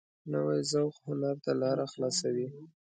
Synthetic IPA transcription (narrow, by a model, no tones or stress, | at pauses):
nəwajzawxhʊnaɾt̪alɑɾaxlɑsawi